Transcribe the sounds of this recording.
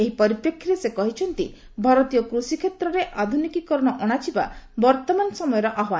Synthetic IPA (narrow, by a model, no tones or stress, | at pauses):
eɦipɔɾipɾekʰːiɾesekɔɦit͡ʃʰɔnt̪ḭ | bʱaɾɔt̪ijɔkɾusikʰet̪ɾɔɾeʔad̪ʱunikikɔɾɔɽ̃ɔʔɔɽ̃at͡ʃiba̰bɔɾt̪ɔmanɔsɔmɔjɔɾɔʔaɦwan